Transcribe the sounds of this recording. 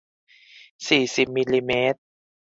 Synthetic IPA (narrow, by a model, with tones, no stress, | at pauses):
siː˨˩si˨˩p̚mi˧liː˧meː˦˥t̪̚